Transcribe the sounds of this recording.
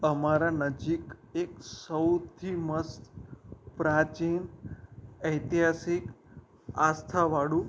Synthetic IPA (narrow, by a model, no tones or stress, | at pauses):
əmaɾanəd͡ʒikeksəwt̪ʰiməst̪pɾat͡ʃiːn | əjt̪iɦasik | ast̪ʰaʋaɽu